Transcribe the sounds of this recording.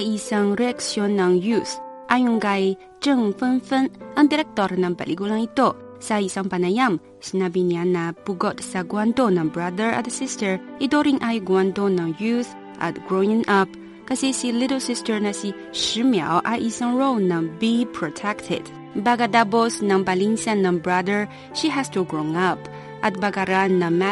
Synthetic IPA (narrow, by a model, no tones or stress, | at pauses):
jisaŋɾiaksiɔnːaŋjus | ʔajuŋɡaj | tɨŋfɨnfɨnaŋdiɾɛk̚tɔɾnaba̰lʔiɡulaŋito | saisaŋpanajam | sinabinianapuɡɔt̚saɡuantonaŋbɾadəɹa̰d̪əsistəɹidoɾiŋʔajɡuandonaŋjuθ | ʔa̰t̚ɡɾoiŋʔɐp | kɐsesiliɾlsistəɹnasi | ʃimia̰wʔa̰jʔisaŋɹownabipʰɾɔtʰɛktʰɪ̰d | baɡadabɔsnaŋbaliŋsanːambɹadəɹ | ʃiɦastuɡɾõŋɐp | at̚baɡaɾanɐma